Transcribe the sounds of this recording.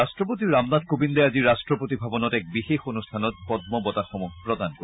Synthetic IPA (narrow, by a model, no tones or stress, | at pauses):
astɹɔp̬ot̪iɹamdadkobindɛaziɹastɹɔpot̪ibʱabɔnɔtɛk̚bixexonust̪ʰanɔt̚pɔd̪mɔbɔtaxɔmukpɹɔd̪anko